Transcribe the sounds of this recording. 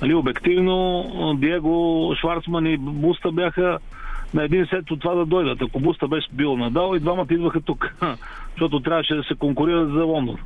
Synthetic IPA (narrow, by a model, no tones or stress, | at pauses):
ɐliobɛkt̪ivnod̪iɛɡoʃvaɾt̪smɐnibust̪əbjaxə | nɐɛd̪insɛt̪ːot̪ːovad̪ɐd̪ɔjd̪ət̪ɐkobust̪əbɛʃɛbilˠonɐd̪alˠid̪vamɐt̪ɐid̪vəxɐt̪uk | ʃt̪ɔt̪ʊt̪ɾʲavəʃɛd̪ɐsɛkoŋkʊɾiɾət̪zɐlˠɔnd̪o̰n